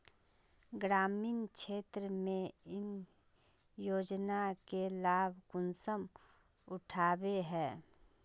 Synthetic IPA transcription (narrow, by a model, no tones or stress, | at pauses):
ɡɾaːmiːnkʃʰeːt̪ɾəmẽɪn | joːd͡ʒnakelaːbʱkʊnsəm | ʊʈʰaːbeɦɛ̃ː